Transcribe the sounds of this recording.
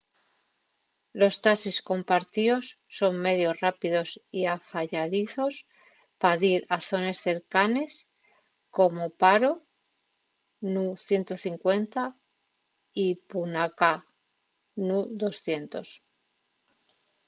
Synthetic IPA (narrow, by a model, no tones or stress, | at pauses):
lo̞st̪asisko̞mpaɾt̪io̞sːo̞ŋme̞ðjo̞srapiðo̞siafaʎaðiθo̞s | paðiɾaθo̞ne̞sθe̞ɾkane̞s | ko̞mo̞paɾo̞ | nuθje̞nt̪o̞θiŋkwe̞nt̪a | ipunaka | nuðo̞sθje̞nt̪o̞s